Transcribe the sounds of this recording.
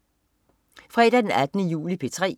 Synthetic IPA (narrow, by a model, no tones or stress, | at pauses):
fʁɛ̰ːɾ̥æd̥enæd̥ənəjṵːlipʰe̝t͡sʰʁɛ̰ː